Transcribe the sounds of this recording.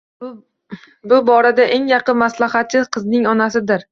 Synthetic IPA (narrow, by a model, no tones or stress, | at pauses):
bʊbɒɾad̪aʔe̞ŋjɑqɨnmaslahat̪̚t͡ʃːɪzqʰɨznɪŋɒnasɪd̪ɪɾ